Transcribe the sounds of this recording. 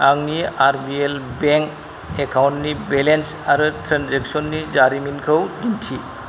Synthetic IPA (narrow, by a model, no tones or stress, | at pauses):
aŋniaɾbielbeŋk | ekʰawntnibelens | aɾɯtʰɾanzek̚sɔnːizaɾiminkʰɯwdintʰi